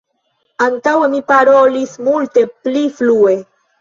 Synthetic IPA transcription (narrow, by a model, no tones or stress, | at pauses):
aŋtawemipaɾo̞lismulte̞pliflue̞